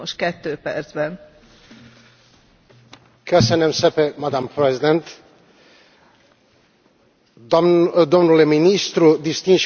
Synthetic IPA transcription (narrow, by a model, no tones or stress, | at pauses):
oʃkɛt̪ːøːpɛ̰rd̪zbɛn | kʰøsɛnɛmsɛpɛmad̪ampɾɛzid̪ɛnt̪ | d̪omnulɛminist̪ɾud̪ist̪ĩnʃ